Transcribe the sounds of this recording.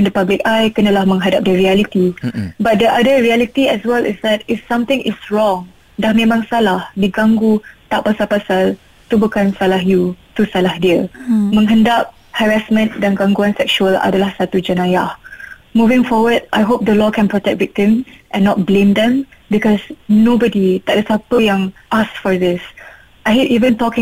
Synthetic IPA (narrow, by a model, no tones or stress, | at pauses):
ɛ̃ndəpablɪkajkənəlahmə̃ŋɦadap̚dəɹialit̪ibat̚dəʔadəɹialit̪iɛswɛlɪ̰sdɛtɪfsãmt̪ɪ̃ŋɪsɹɔ̃ŋ | dahmẽmãŋsalahdiɡãŋɡut̪aʔpasalpasal | t̪ubəkãnsalahjut̪usalahdiəmə̃ŋɦə̃ndap̚ | hɛɹasmə̃ndɛ̃nɡãŋɡuãnsɛk̚ʃuəla̰dəlahsat̪ud͡ʒənajahmuvɪ̃ŋfɔwəd̚ʔajɦop̚d̪əlɔkʰɛ̃npɹɔtɛk̚vik̚tĩmʔɛ̃nːɔt̚blẽmd̪ɛ̃m | bikɔsnobədit̪ɛk̚dəsapəjãŋʔasfɔdɪs | ʔajɦetivə̃ntɔkɪ̃